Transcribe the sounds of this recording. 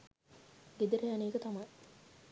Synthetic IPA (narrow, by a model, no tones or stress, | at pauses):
ɡed̪əɾəjaneːkət̪amaj